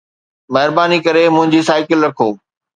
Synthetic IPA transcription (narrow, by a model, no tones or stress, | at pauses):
mɐɦɪɾbaːnikɐɾemʊ̃ɦɪ̃ɲd͡ʑisaːɪkɪlɾɐkʰoː